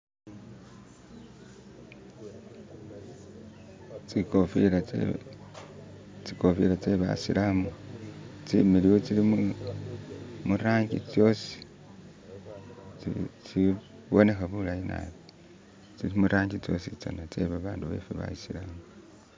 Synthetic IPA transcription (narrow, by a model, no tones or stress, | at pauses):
t͡sikofila | t͡sikofiɾat͡seβa̰silamu | t͡similiwot͡silimu | muɾaːŋɟit͡sjo̞si̥ | t͡si | βo̞ne̞xaβulajina̰βo | t͡silimuɾaːŋɟit͡so̞̰sit͡sa̰nat͡seβaβaːnduβḛfeβa̰jisilamu